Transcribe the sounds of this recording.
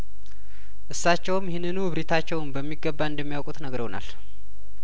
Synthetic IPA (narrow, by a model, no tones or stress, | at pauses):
ʔɨsːat͡ʃːɛwmjhenːɨnuβɾit̪ʰat͡ʃːɛwnbəmːiɡəbːaɨnd̪əmːijawkʼut̪nəɡəɾəwna̰l